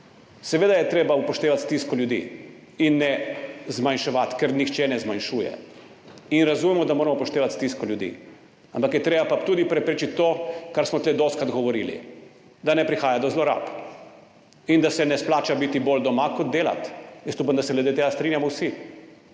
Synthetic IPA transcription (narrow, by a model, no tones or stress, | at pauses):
sɛʋeːd̪ajɛt̪ɾeːbaupɔʃt̪eːʋat̪st̪iskɔljud̪ḭ | inːɛzmanʃɛʋat̪kɛɾnixt͡ʃɛnɛzmanʃuːjɛ̰ | inɾazumɛmɔd̪amoːɾɐmɔpɔʃt̪eːʋat̪st̪iskɔljud̪ḭ | ampakjɛt̪ɾeːbapat̪uːd̪ipɾɛpɾeːt͡ʃit̪t̪ːokaɾsmɔt̪led̪ost̪kad̪ɡɔʋɔɾilḭ | d̪anɛpɾixaːjad̪ɔzlɔɾa̰p | ind̪asɛnɛsplaːt͡ʃabit̪ibold̪ɔmakɔd̪̚d̪eːla̰t̪jəst̪upamd̪asɛɡlɛd̪et̪eːɡast̪ɾinjamɔwsi